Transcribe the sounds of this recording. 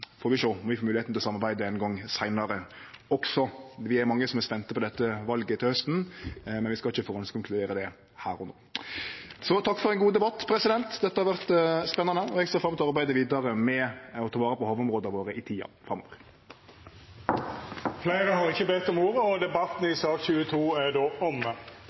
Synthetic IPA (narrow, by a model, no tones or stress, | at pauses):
fɔɾʋɪʃoːmɔʋɪfoːmʉːlɪet̪n̩ɪlɔsɑmːɑɾbæɪd̪əɛnɡɔŋːsæɪnɑɾəɔksɔʋɪæɾmɑŋːəsɔmɛɾspɛnt̪əpʰɔd̪ɛt̪ːəʋɑlɡət̪ʰɪlhœst̪nmɛnʋɪskɑlɪçːəfɔɾœnskʊŋkʰlʉd̪eːɾəd̪ɛ | hæːɾɔno̰ː | sɔt̪ʰɑkːfɔɾɛɪnɡuːd̪ɛbɑt̪ːpʰɾɛsɪd̪ɛnt̪d̪ɛt̪ːəhɑɾʋæʁt̪spɛnːɑnəɔɛɡseːɾfɾɑmt̪ʰɔɑɾbæɪd̪əʋiːd̪ɑɾəmɛɔt̪ʰɑːʋɑːɾəpɔhɑːʋɔmʁoːd̪əʋoːɾəʔɪt̪ʰiːɑ̰fʁɑmːo̰ːʋəʁ | fleɪɾəhɑʁɪçəbet̪ːɔmoːɾəɔd̪ɛbɑt̪n̩ɪsɑːkçʉːət̪ʰuːæɖ̪oːɔmə